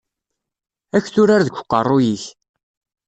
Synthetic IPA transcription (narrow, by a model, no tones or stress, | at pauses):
æçθʊɾaɾðəɡʷqːərˤːʊjiç